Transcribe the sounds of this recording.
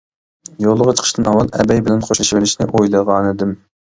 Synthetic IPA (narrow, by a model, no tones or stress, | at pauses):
jolˠːəʁɑt͡ʃʰə̥qʰəʃt̪ɨnɑwɑlˠɛ̰bɛjbɪlɛnqʰoʃlˠɨʃvɪlɪʃnɪʔojlˠəʁɑːnɨd̪ɪm